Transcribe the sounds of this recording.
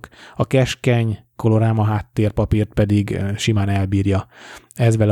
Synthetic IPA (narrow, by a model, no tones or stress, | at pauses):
kɒkɛʃkɛɲko̞loɾaːmɒɦaːt̪ːeːrpɒpiːrt̪̚pɛd̪iɡʃimaːnɛlbiːrjɒɛzʋɛl